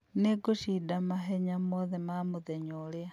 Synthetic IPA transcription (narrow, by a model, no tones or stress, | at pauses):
neɡoʃidamaɦeɲamoðemamuðeɲolea